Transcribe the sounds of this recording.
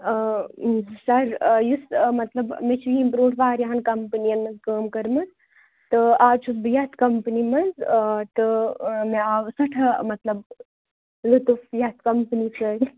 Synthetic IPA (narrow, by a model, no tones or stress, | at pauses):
sɐɾjusmɐt̪lɐbmet͡ʃʰuimbɾuːʈʰʋaːɾjɐɦɐnkɐmpnijɐnmɐzkəːmkɐɾmɐt̪ | t̪ɨaːt͡ʃʰusbɨjɐt̪ʰkɐmpnimɐzt̪ɨmeaːʋsɐʈʰɐmɐt̪lɐb | lɨt̪ufjɐt̪̚ʰkɐmpənisɐɾ